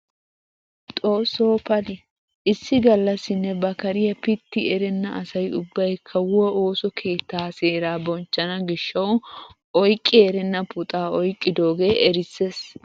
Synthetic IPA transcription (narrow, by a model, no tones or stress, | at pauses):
t̪ʼo̞ːsːo̞ːpɐlɪ | ʔɪsːɪɡɐlːɐsːɪnːɛbɐkɐɾɪjɐpɪt̪ːɪɛɾɛnːɐʔɐsɐjʊbːɐjkʰːɐwʊɔʔoːsɔkʰe̞ːt̪ːaːseːɾaːbɔnt͡ʃːɐnɐɡɪʃːɐw | ɔjkʼːɪeːɾɛnːɐpʊt̪ʼaːɔjkʼːɪd̪o̞ːɡe̞ːʔɛɾɪsːes